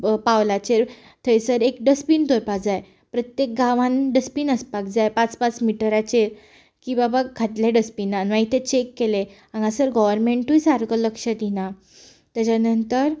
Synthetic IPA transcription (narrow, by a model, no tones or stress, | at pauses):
pawlat͡ɕeɾ | t̪ʰəjsəɾek̚ɖəspint̪oɾpad͡zaj | pɾət̪jek̚ɡãʋãnɖəspiːnəspakd͡zajpat͡spat͡smiʈəɾat͡ɕeɾ | kibabaɡʰʱaʈljaɖəspinːanʋaɦit̪et͡ɕekːele | ãŋɡãsəɾɡɔʋəɾmeɳʈujsaɾɡələkʂət̪ina | t̪jat͡ɕanənt̪əɾ